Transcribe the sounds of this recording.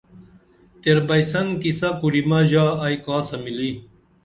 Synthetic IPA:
t̪eɾbɐjsɐnkisɐkuɾimaʑaːjkaːsɐmili

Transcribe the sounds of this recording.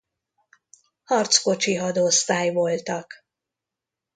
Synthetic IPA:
hɒrt̪sko̞t͡ʃiɦɒd̪ost̪aːjvo̞lt̪ɒk

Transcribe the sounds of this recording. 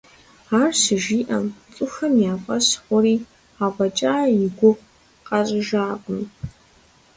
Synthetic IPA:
aːrɕɪʒiːʔɐmt͡sʼʊxɐmjaːfʼɐɕħʷʊriː | abɐt͡ʃʼaːjɪɡʷʊqʷ | qʼɐrʼɨʒaːqʷʼʊm

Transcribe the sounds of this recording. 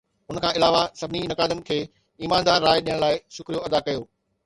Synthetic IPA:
ʊnə̆kʰãːɪlaːʋasɐbʱɪninɐkaːd̪ənɪ̆kʰeː | iːmãːnd̪aːɾːaːɪɗijəɽ̃laːɪʃʊkɾijoɐd̪akɐjoː

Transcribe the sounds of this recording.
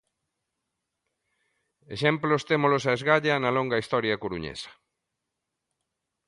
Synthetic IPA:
eʃɛmplost̪emolosaezɣaʎɐnɐlɔŋɡɐist̪ɔɾjɐkoɾuɲḛsɐ̥

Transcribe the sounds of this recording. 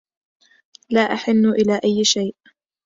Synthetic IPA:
laːʔaħɪnːʊʔɪlaːʔajːʃajʔ

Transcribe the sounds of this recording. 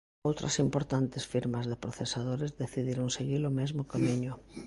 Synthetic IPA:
owt̪ɾʔɐ̰simpoɾt̪ant̪ɪsfiɾmɐzðɪpɾoθesaðoɾezðeθiðiɾoŋseɣilomezmʊkamiɲʊ

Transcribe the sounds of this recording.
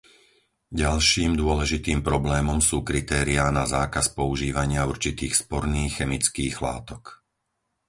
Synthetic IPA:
ɟalʃiːmd̪ʊɔlɛʒit̪iːmpɾɔblɛːmɔmsuːkɾit̪ɛːɾiaːnazaːkaspɔuʒiːʋaɲɪauɾt͡ʃit̪iːxspɔɾniːxːɛmit͡skiːɣla̰ːt̪ɔk

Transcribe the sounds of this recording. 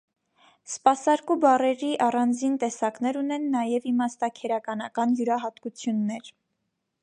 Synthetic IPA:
spɑsɑɾkubɑrɛɾiʔɑrɑnd͡zint̪ɛsɑknɛɾunɛnːɑjɛvimɑst̪ɑkʰɛɾɑkɑnɑkɑnjuɾɑɦɑt̪kut͡sʰjunːɛɾ

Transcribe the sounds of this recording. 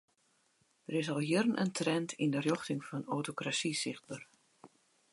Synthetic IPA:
dəɾɪsɔlˠɦjɪrənʔə̰ntrɛntʰindərjoxtɪŋfɔnowtokrasisɪxt̚bər

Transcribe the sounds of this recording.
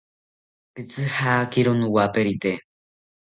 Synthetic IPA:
kɨt͡sɨhaːkiɾonũwapeɾit̪e

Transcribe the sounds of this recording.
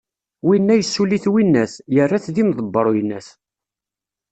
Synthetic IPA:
winːæjəsːuliθwinːæsjərːæθðimðˤəbːəɾˤjənːæs

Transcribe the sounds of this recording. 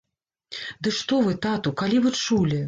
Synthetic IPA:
d̪ɨʂt̪ɔvɨt̪at̪ukalʲivɨt͡ʂulʲi

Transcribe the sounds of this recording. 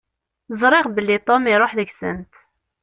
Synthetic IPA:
zˤɾˤɪʁbəlːit̪ˤomiɾˤoħðəksə̰nt̪

